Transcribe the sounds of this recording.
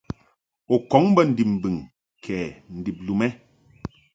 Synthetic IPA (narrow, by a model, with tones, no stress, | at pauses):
o˨kɔ˨˦ŋbə˦˨n̩˨di˨p̚m̩˨bi˨ŋ | kʰɛː˨n̩˨di˨p̚lu˨mɛ˦